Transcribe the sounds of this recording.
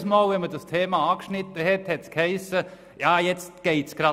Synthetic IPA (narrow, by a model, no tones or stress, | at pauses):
smoːlʋɛnmədɑst̪ʰeːmɑɑːkʃnɪt̪ːəɦɛthɛtskhɛɪsə | jɑːjɛt͡stɡ̥eɪtsɡ̥ɾɑ